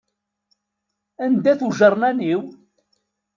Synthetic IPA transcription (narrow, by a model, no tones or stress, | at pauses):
ænd̪æθuʒəɾˤnæniw